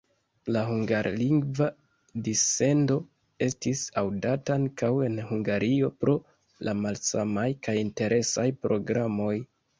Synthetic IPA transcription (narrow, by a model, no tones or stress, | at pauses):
laɦuŋɡaɾliŋɡva | dise̞ndo̞ | e̞stisawdataaŋkawe̞nhuŋɡaɾʔio̞pɾo̞ | lamalsamajkajinte̞ɾʔe̞sajpɾo̞ɡɾamo̞j